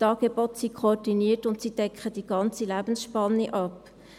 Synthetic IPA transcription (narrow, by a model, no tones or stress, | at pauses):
tɑːɡ̥ebotsikʰoːdiniətʊntsid̥ɛkχəd̥iɡ̥ɑnt͡silæb̥ən̩sʃpɑnːiʔɑp